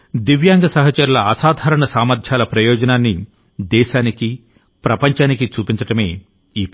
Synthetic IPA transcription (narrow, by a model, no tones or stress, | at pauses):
d̪iʋjaːŋɡɐsɐɦɐt͡ʃɐɾulɐɐsaːd̪ʱaːɾɐɳɐsaːmɐɾd̪ʰʱjaːlɐpɾɐjɔːd͡ʒɐnaːnːi | d̪ɛːʃaːniki | pɾɐpɐɲt͡ʃaːnikit͡ʃuːpiɲt͡ʃɐʈɐme̞ː | iː